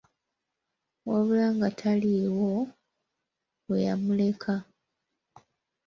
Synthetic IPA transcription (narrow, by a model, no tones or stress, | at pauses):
woβulaŋɡatʰaliwo | weja̰mule̞kʰa